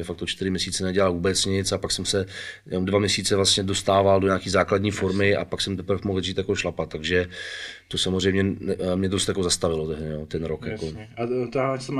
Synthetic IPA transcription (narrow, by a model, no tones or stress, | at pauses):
ɛfakt̪ot͡ʃt̪ɪɾɪmɲɛsiːt͡sɛnɛɟɛlalvuːbɛt͡sɲɪt͡sapaksɛmsɛjɛnomdvamɲɛsiːt͡sɛvlast̪ɲɛdo̞st̪aːvaldoɲaːkiːzaːkladɲiːfo̞ɾmɪʔa̰paksɛmt̪ɛpr̩fmoɦl̩ʒiːt̪jakoʃlapat̪ːaɡʒɛt̪o̞samozrɛjmɲɛmɲɛdost̪jako̞zast̪avɪlot̪ɛɦdɛnoːt̪ɛnɾokjakoat̪sɛm